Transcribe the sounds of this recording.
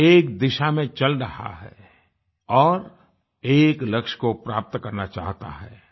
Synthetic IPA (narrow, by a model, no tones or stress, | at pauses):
eːk̚d̪ɪʃamẽt͡ʃɐlɾɐha̰ɦɛ̰ | ɔːɾ | eːklɐkʃkopɾaːp̚t̪kɐɾnat͡ʃaːɦt̪a̰ɦɛː